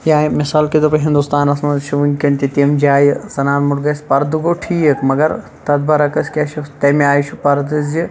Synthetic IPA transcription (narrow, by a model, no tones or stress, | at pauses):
jaːmɪsaːlked̪opɐɦĩnd̪ust̪aːnɐsmɐʃʰuʋunkɐɳt̪it̪iɐmd͡ʒaːjsɐnaːnmuʈɡɐspɐɾd̪uɡoʈʰiːkmɐɡɐɾ | t̪ɐd̪bɐɾɐkɐskʲaʃut̪ɐmeaːjiʃʰupɐɾd̪ɨzi